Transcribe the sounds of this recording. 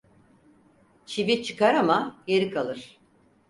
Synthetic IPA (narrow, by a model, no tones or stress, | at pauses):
t͡ʃʰivit͡ʃʰɯ̥kaɾamajeɾikʰalˠɯɾ̥